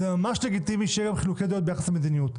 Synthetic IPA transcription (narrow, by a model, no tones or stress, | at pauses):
zemamaʃleɡit̪iviʃejɛɡamχiluked̪jot̪bejaχaslemed̪inijut̪